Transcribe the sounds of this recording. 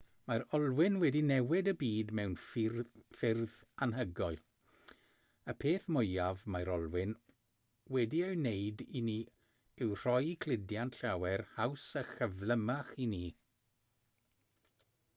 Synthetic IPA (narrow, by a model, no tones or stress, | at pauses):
maɾɔlˠwɪnwɛdinɛwɪdəbiːdmɛwn | fɪrðanɦəɡɔɨlˠ | əpʰeːθmʊjavmaɾɔlˠwɪn | wɛdiewnejdiniː | ɪwr̥ɔjikʰl̥ˠɪdjantɬawɛrhawsəχəvlˠəmaχiniː